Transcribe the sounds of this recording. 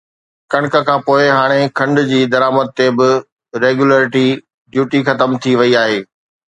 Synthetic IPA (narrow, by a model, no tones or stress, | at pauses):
kɐ̃ɽ̃kəkʰãːpoːɪɦaːɽ̃ekʰɐ̃ɳɖʊ̆d͡ʑiːd̪ɐɾaːməd̪̚t̪ebɪ | ɾeːɡjuləːɾɪʈi | ɖjuːʈixɐt̪əmt̪ʰiʋɐiaːɦeː